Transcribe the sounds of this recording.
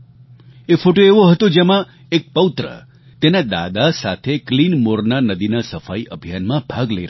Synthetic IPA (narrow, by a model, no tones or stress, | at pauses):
efoʈoeʋoɦət̪od͡ʒemã | ek̚pəwt̪ɾə̰ | t̪enad̪a̰d̪asat̪ʰeklinmoɾnanəd̪inasəfaiʔəbʱijanmãbʱaɡləiɾ